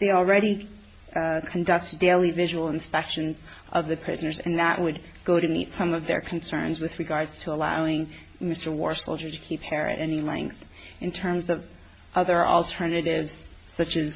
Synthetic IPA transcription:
ðeɪl̩ˠɹɛɾi | kʰndʌk̚td̥eɪlˠivɪʒəwl̩ˠɨ̃nspɛkʃɨ̃nz | ʔʌvðɨpʰɹ̥ɪ̰znə˞zɨ̰̃nðəʔwʔɨd̚ | ɡ̥oʊɾɨmḭtsʌ̃mʌvðə̰˞kʰn̩sɜ̰̃˞nzwɨðɹɨɡɑɹdz̥tʰəəla̰ʊɪ̃ŋ | mɪstə˞wɔ̰ɹsoʊlˠd͡ʒə˞ɾɨkʰiphɛɹɨ̰ɾʔɛnilɛ̰̃ŋk̚θ | ɨ̃ntʰɜ̃˞mzʌv | ʔʌðə˞ʔl̩ˠtʰɜ˞nɨɾɪvz̥sʌt͡ʃɨz

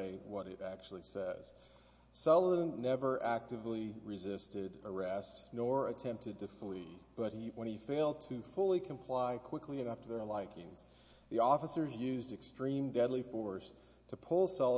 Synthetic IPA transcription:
ɪwʌɾɨɾæk̚t͡ʃul̩ˠisɛz̥ | sɛlˠəə̃nːɛvə˞ʔæk̚tɨvliɹɨzɪstɪdə˞ɛstnɔɹɨtʰɛ̃mp̚tɨd̚tɨflib̥ʌt̚hiwə̃nifeɪlˠd̚tʰɨfʊlˠikʰɨ̃mpʰl̥aɪkʰw̥ɪkliɨnʌftʰɨðə˞laɪkɪ̃ŋz̥ | ðiɔfəsə˞zjʉzdɨkstɹ̥ĩmdɛdˡlifɔɹs | tʰɨpʰʊlˠsɑlˠ

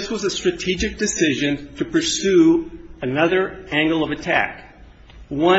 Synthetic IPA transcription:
swʌzɨstɹ̥ɨtʰid͡ʒɨk̚d̥ɨsɪʒɨ̃ntʰɨpʰə˞sʉɨnʌðə˞æ̃ŋɡl̩ˠʌvɨtʰæ̰k | wʌ̃

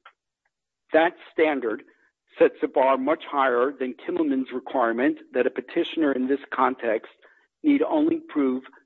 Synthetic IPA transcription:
ðɨtstæ̃ndə˞d̥ | sɛtsɨbɑɹmʌt͡ʃhaɪə˞ðɨ̃nkʰɪ̃ml̩ˠmɨ̃nzɹɨkʰw̥aɪɹmɨ̃nðɨɾɨpɨtʰɪʃɨnə˞ɨ̃nðɪskʰɑ̃ntʰɛkst | niɾõ̰ʊ̃nlipʰɹ̥ʉv̥

